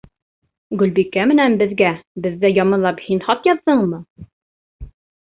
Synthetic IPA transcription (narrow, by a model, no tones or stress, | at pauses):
ɡɵ̆lbikæmɘ̆nænbɘ̆ðɡæbɘ̆ðːæjɒmɤ̆nlˠɑphinhɒt̪jɑðːɤɴmɤ